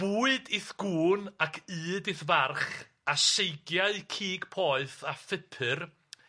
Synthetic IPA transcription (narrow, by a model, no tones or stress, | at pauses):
b̥uːɨdɪθɡ̥uːnakʰɨːdɪθvarχ | aʃejɡjaɨkʰiːɡ̥pʰɔɨθafɪpʰɨr